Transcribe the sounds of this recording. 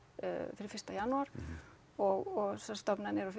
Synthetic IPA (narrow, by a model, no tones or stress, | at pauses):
fɪɾɪfɪst̪ajanːuaɾ̥ | ɔɣɔɣsɛst̪ɔpnanɛɾɔf